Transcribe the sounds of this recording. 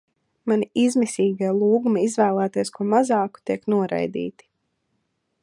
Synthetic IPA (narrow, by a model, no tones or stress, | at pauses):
manʲiizmisʲiːɡajlˠuːɡumaizvæːlˠæːt̪ijskuɔmazɑːku̥t̪iɛknuɔɾa̰jd̪ḭːt̪i̥